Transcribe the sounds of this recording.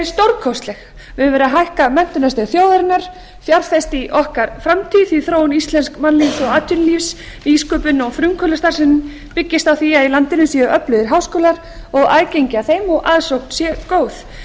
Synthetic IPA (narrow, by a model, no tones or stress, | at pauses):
st̪owɾkʰɔwst̪lɛx | vɪðvɛɾaɦajhkamɛn̥t̪ʏnasɛɣθjoːwðaɾɪnːaɾ̥ | fjaɾθɛst̪iʔɔhkaɾ̥fɾamt̪ʰiðiθɾoːwnist̪lɛnskmanlisɔɣaːt̪ʰʏnlifs | iskʏpʏnɔɣfɾʏŋkʰœlast̪aɾ̥sɪnː | pɪcːɪst̪awθiaðilant̪ɪnʏsjɛʔœplʏðɪɾɦawskɔːlaɾ̥ | ɔɣaːðcejɲcaθejmɔɣʔaðsowkt̪sjɛkoːwθ